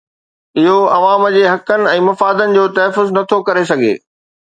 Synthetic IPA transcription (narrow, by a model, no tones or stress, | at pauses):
ɪɦoɐʋaːməd͡ʑeːɦɐkənɪ̆ɛ̃ːmɐfaːd̪ənɪ̆d͡ʑoːt̪ɐɦfʊznɐt̪ʰokɐɾes̬ɐɡʱḛː